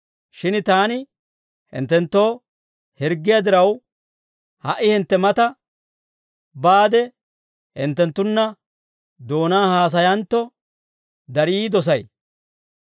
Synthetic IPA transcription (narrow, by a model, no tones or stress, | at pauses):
ʃɪnt̪aːnɪ | hɪ̰nt̪ːɛnt̪ːo̞ː | hɪɾɡːɪjad̪ɪɾɐw | hɐʔɪhɪnt̪ːɛmɐt̪ɐ | baːd̪ɛ | hɪ̰nt̪ːɛnt̪ːʊnːɐ | d̪o̞ːnaːhaːs̬ɐjɐnt̪ːɔ | d̪ɐɾiːd̪ɔs̬ɐj